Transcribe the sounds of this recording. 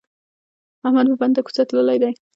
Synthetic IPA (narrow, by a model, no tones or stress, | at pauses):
ahmad̪məband̪akʊ̥t͡sat̪ləlajd̪aj